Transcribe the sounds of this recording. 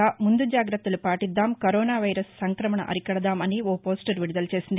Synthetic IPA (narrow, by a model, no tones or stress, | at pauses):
aːmund̪ud͡ʒaːɡɾɐt̪ːɐlupaːʈid̪ːaːmkɐɾoːnaːʋɐjɾɐsːɐŋkɾɐmɐɳɐ̰ʔɐ̰ɾikɐɽɐd̪aːmɐnioːpo̞ːsʈɐɾʋiɽid̪ɐlɐt͡ʃe̞ːsind̪i